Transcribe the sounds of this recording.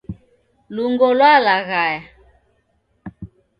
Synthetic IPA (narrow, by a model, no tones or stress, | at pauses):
luŋɡɔlwalaɣaja